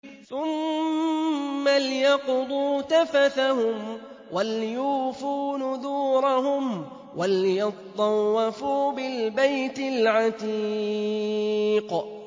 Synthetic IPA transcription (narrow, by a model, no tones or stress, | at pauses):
θʊm | alɪjɑqd̪ˤuːt̪afaθahʊm | waljuːfuːnʊðuːɾˤɑɦʊm | waljɑt̪ˤːɑwːɑfuːbɪlbajt̪ɪlʕat̪i | q